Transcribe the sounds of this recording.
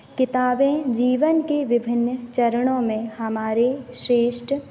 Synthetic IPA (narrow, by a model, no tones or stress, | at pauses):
kɪt̪aːbẽd͡ʒiːʋənkeʋɪbʱɪnːət͡ʃɐɾəɽ̃õmẽhɐmaːɾeʃɾeːʃʈ